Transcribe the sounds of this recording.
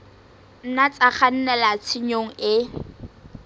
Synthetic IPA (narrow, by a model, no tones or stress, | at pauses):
n̩nat͡sʼaχan̩nɛlat͡sʰiɲoŋ̩ɪ